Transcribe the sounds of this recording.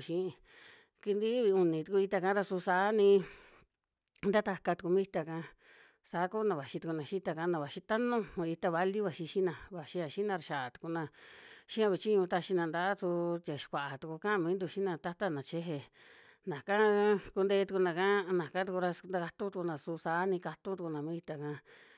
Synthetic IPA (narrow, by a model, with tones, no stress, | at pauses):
ʃĩ˧˦˧ | ki˧nd̪i˦βi˧u˧˨nĩ˨t̪u˧ku˧i˧t̪a˧kã˧˦ɾa˧su˧sa˨˦nĩ˧ | nd̪a˦t̪a˧ka˧t̪u˧ku˧mĩ˦˧t̪a˧kã˧ | sa˨˦ku˦nã˧˨βa˨ʃi˧t̪u˧ku˧nã˧ʃi˦t̪a˧ka˧nã˧βa˨ʃi˧t̪a˦nũ˦˧i˧t̪a˧βa˧li˦βa˧˨ʃi˧ʃi˦nã˧˨βa˨ʃi˧a˧ʃi˦nã˧ɾa˧ʃa˨t̪u̥˧ku˧nã˧ʃĩ˦ã˧βi˧t͡ʃi˦ɲũ˧t̪a˧ʃi˧nã˧˨nd̪a˧˦t̪u˧t̪ʲa˨ʃi̥˧kʷa˨ʔa˨t̪u˧ku˧kã˦˧mĩː˧˦nd̪u˧ʃi˦nã˧t̪a˦t̪a˦˨nã˨t͡ʃe˦ɦe˧ | nã˨kã˦˧˦ku˧nd̪e˧˦˧t̪u˧ku˧nã˧kã˦nã˨kã˦t̪u˧ku˧ɾa˧nd̪a˧ka˧t̪ũ˦t̪u˧ku˧nã˨su˧sa˨˦nĩ˧ka˧t̪ũ˦t̪u˧ku˧nã˨mĩː˦i˧t̪a˧˨kã˧